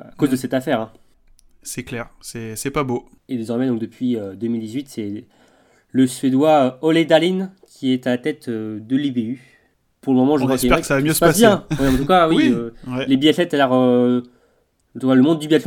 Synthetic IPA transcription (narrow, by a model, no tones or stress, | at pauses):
akozd̪əsɛt̪afɛʁɛ̃ | sɛklɛʁsɛsɛpabo | ed̪ezɔʁmɛ̃d̪ɔ̃k̚d̪əpɥiød̪əmild̪izɥit̪sɛ | ləsɥed̪waøɔled̪alinkʲʰiɛt̪alat̪ɛt̪ød̪əlibey | puʁləmɔmɑ̃ʒəkwakiɛɛʁɛkəsavamjøsəpasjɛ̃wɛɑ̃t̪ukawiøwɛlebiɛfɛt̪alɛʁø | t̪ukaləmɔ̃d̪ːybjat̪f